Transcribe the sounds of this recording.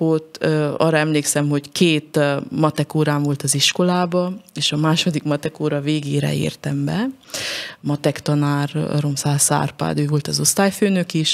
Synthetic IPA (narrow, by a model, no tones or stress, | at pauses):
ot̪ːøɒ̰ːrːɒɛmleːksɛmɦo̞ckʰeːt̪mɒt̪ɛkoːɾaːɱvo̞lt̪ɒziʃko̞laːbɒeːʃɒmaːʃo̞d̪ikmɒt̪ɛkoːɾɒveːɡeːɾɛ̰ḛːrt̪ɛmbɛ | mɒt̪ɛkt̪ɒnaːr̰ɾo̞msaːsa̰ːrpa̰ːd̪øːvo̞lt̪ɒzost̪aːjføːnøkiʃ